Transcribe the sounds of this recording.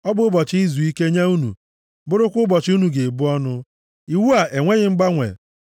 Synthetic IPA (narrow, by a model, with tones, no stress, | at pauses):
ɔ˦bʊ˨˦ʊ˦bɔ˨t͡ʃɪ˦i˦zu˨i˦ke˦ɲa˦u˦nṵ˨ | bʊ˦ɾʊ˦kʷʊ˦bɔ˨t͡ʃu˦nu˨ɡe˨bu˦ɔ˦nʊ˦ | i˨wu˦a˨ʔe˨ŋʷe˦ɣɪ˨ŋ͡m̩˦ɡ͡ba˦ŋʷḛ˨